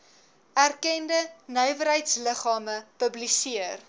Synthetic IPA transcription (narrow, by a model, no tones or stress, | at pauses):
ærkɛndənœɥvəɾɦəjtsləχɑːməpəblisiər